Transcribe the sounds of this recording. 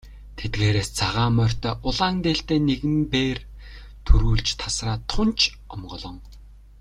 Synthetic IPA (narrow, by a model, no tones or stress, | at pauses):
t̪ʰet̪̚ɡeːɾeːst͡sʰaʁaːmœr̥ʲt̪œːʔʊɮaːnt̪eːɬt̪eːneɣɘ̆mpeːr | t̪ʰɵɾuːɮt͡ɕt̪ʰasraːt̪ʰʊnt͡ɕʰ | ɔmɢɞ̆ɮɞ̆ŋ